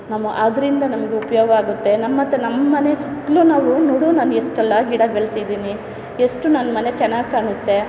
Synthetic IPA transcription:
namɐʔad̪ɐɾind̪ɐnɐmɐɡeupɐjoːɡɐaːɡut̪ːe̞nɐmːɐt̪ːɐnɐmːɐmɐne̞sukːlunaːʋunuɽunaːnueʂʈɛlːɐɡiɽɐbeɭsid̪iːni | eʂʈunɐnːɐmɐne̞t͡ʃɛnːaːɡ̚kaːɳut̪ːe̞

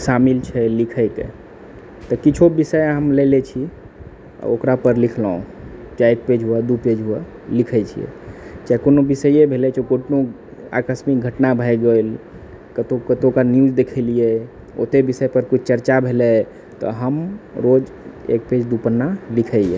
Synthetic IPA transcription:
samilt͡ʃʰɛlikʰəjt̪e | t̪ɔkit͡ʃʰobisəjɦəmlelet͡ʃʰḭ | okɾapəɾlikʰlaõt͡ʃaek̚ped͡ʒɦuɛd̪uped͡ʒɦuɛ | likʰət͡ʃʰḭḛt͡ʃakonobisəjebʱelɛt͡ʃʰɛkoʈno | a̰kəsmik̚ɡʱəʈnabʱəjɡel | kət̪okət̪okanjud͡ʒd̪ekʰɛlijɛ | o̰t̪ebisəjpəɾkut͡ʃʰt͡ʃəɾt͡ʃabʱelɛ | t̪ɔ̰ɦəmɾod͡ʒ | ḛk̚ped͡ʒd̪upənːalikʰəjḛ

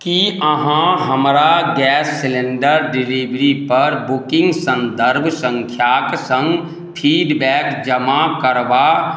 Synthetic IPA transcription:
kiəɦãɦəmɾaɡɛːsːɪlẽɳɖəɾɖɪlibɾipəɾbʊkɪ̃ŋɡsə̃nd̪əɾbʱsə̃ŋkʰjaːksə̃ŋɡ | pʰiːɖbɛːkd͡ʒəmakəɾʋa

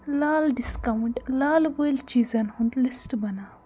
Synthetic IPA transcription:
laːlɖiskawɳʈlaːlbəjlt͡ʃizɐnhũnd̪lisʈbɐnaː

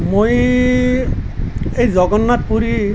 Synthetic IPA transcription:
moj | ejzɔɡɔnːat̚puɾi

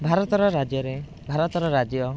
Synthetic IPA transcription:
bʱaɾɔt̪ɔɾɔɾad͡ʒjɔɾe | bʱaɾɔt̪ɔɾɔɾad͡ʒjɔ

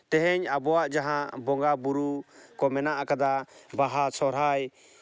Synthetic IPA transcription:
t̪ɛɦɛɲabɔwaʔd͡ʒaɦãʔbɔŋɡabuɾukɔmɛnaʔakad̪abaɦasʰɔɾaj

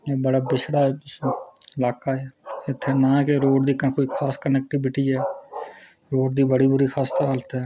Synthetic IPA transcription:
eːbəɽaːbɪʃɽaːɛː | ɪlaːkaːɛːɪt̪ʰːeːnãːkeɾoːɖd̪iːkəkoːiːkʰaːskənɛk̚ʈibɪʈiːɛː | ɾoːɖd̪iːbəɽiːbʊɾiːxʰaːst̪aɦəlt̪ɛː

